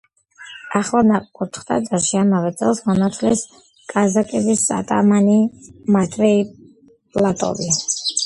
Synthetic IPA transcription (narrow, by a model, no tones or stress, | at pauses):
aχlˠanaqʼkʼut̪ʰχd̪a̰d̪aɾʃiamavɛt̪sʼɛlˠsmɔnat̪ʰlɛs | kʼazakʼɛbisa̰t̪ʼamanimat̪ʼvɛi | pʼlˠat̪ʼɔ̰bi